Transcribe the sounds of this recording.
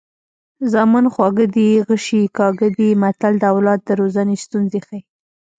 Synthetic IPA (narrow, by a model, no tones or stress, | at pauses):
zɑmɑnxwɑɡəd̪iɣəʃikɑɡəd̪imat̪ald̪əawlɑd̪̚d̪əɾozanest̪unzexaj